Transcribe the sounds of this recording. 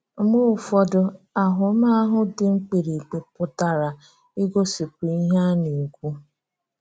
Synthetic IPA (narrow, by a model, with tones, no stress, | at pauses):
mʊ˦˨fɔ˨dʊ˨a˨ɦʊ˨˦ma˦ɦʊ˦dɪ˨ŋ͡m̩˦k͡pe˨ɾi˨k͡pe˨pʊ˦ta˨ɾa˨ | i˦ɡo˦si˨kʷu˨i˦ɦa˦ni˨ɡʷu˦